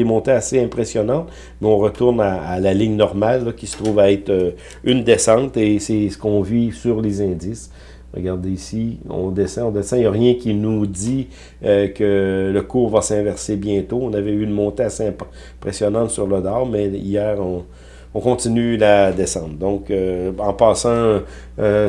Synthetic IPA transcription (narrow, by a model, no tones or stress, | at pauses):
emɔ̃t̪easeɛ̃pʁesjɔnɑ̃t̪ | mɛɔ̃ʁət̪ʊʁnaːlalɪɲnɔʁmalːɔkʲisə̥t̪ʁuːvaɛt̪ø | ynd̪esɑ̃ːt̪esɛsə̥kɔ̃visyʁlezɛ̃d̪ɪs | ʁə̰ɡaʁd̪eisiɔ̰̃d̪esɛ̃ɔ̃d̪esɛ̃jaʁjɛ̃kʲinud̪i | økələkuːʁvasɛ̃vɛʁsebjɛ̃t̪oɔ̃navɛynmɔ̃t̪easeɛ̃p | pʁesjɔnɑ̃t̪syʁlɔd̪ɑːʁmɛijɛːʁɔ̃ | ɔ̃kɔ̃t̪inylad̪esɑ̃ːt̪̚d̪ɔ̃køɑ̃pɑːsɑ̃ | ø